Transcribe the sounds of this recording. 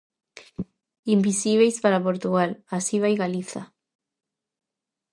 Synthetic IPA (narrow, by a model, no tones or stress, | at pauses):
imbisiβ̞ejspaɾapoɾt̪uɣalasiβ̞ajɣaliθa̰